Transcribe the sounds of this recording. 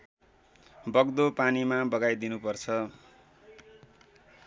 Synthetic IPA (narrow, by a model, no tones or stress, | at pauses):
bʌɡd̪opanimabʌɡajd̪inupʌrt͡sʰʌ